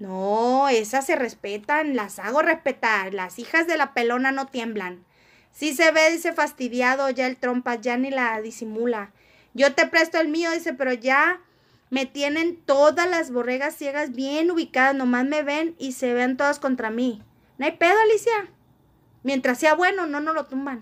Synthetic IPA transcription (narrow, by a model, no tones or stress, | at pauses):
noesase̞re̞spe̞t̪anilasaɣo̞re̞spe̞t̪aɾlasixazðe̞lape̞lo̞nano̞t̪je̞mblan | sis̬e̞βe̞ðise̞fast̪iðjaðo̞ʝaelt̪ɾo̞mpaʝanilaðisimula | ɟ͡ʝo̞t̪e̞pɾe̞st̪oelmio̞ðise̞pe̞ɾo̞ʝa | me̞t̪je̞ne̞nt̪o̞ðalazβo̞reɣasːje̞ɣazβje̞nuβikaðasnõ̞mazme̞βe̞nise̞βeant̪o̞ðasko̞nt̪ɾami | noajpe̞ðoalisja | mje̞nt̪ɾasːeaβwe̞no̞no̞no̞lo̞t̪umban